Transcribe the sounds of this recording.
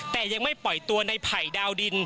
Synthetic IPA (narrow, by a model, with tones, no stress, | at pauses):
t̪ɛː˨˩ja˧ŋma˥˩jpɔ˨˩jt̪u˧ɐna˧jpʰa˨˩jdaː˧wdi˧n